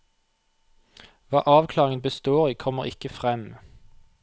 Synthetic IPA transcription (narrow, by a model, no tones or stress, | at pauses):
ʋɑ̰ːʔɑːʋkʰlɑːʁɪŋənbəst̪oːʁiːkʰɔməʁɪkəfʁɛm